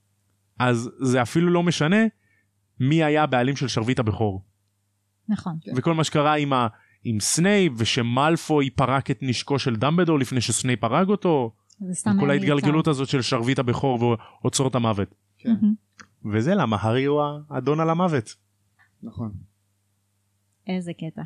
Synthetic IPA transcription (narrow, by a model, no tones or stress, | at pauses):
ʔazːeafilulo̞me̞ʃane̞ | miajabealimʃe̞lʃaʁvitabeχo̞ʁ | naχonveko̞lmaʃekaʁaima | imsne̞jveʃe̞malfo̞ipaʁaketniʃko̞ʃeldambedo̞lifnejʃesne̞jpaʁaɡo̞to̞ | zst̪kolait̪ɡalɡelut̪azo̞tʃelʃaʁvitabe̞χo̞ʁveot͡so̞ʁtamave̞t | ke | vezelamaɦaʁiuaːdo̞nalamave̞t̪ | nχon | ʔezeket̪a